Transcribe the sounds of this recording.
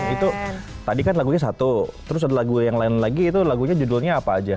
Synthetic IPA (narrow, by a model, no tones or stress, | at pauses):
it̪u | t̪adikanlaɡuɲas̬at̪ut̪əɾʊs̬adalaɡujaŋlaɪnlaɡiːt̪ulaɡuɲad͡ʒudʊlɲaːpaːd͡ʒa